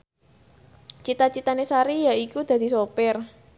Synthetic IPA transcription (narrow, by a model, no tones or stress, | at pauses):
t͡ʃit̪at͡ʃit̪anesaɾijaikud̪̥ä̤d̪̥i̤sopɪr